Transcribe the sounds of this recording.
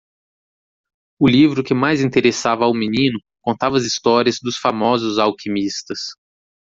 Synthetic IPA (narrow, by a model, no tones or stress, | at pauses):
ʊlivɾʊkɪmajzĩt̪eɾesavɐawminĩnʊ | kõnt̪avɐzist̪ɔɾiɐzd̪ʊsfamɔzʊzawkʰimist̪ɐs